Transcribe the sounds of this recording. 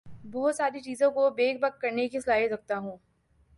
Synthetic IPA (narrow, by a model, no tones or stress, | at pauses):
bɔɦt̪saːɾit͡ʃiːzõkobeːɡbɐk̚kɐɾnekisɐlaːisɐk̚t̪aɦũː